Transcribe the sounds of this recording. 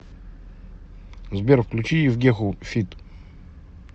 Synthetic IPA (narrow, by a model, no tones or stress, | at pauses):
zbʲɛɾfklʲut͡ʃiivɡʲɛxufʲit̪